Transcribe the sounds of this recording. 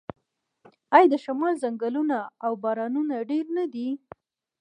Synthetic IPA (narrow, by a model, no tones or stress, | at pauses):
ajd̪əʃamɑlzaŋɡalunaːwbɑɾɑnunaɖeɾnad̪i